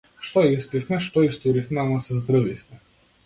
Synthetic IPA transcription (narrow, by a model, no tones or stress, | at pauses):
ʃt̪ɔjaispifmɛʃt̪ɔist̪uɾifmɛamasɛzd̪ɾəvifmɛ